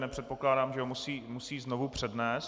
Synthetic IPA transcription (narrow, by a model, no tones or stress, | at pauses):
nɛpr̝̥ɛt̪̚po̞klaːdaːmʒɛɦomusiːmusiːznovupr̝̥ɛdnɛːs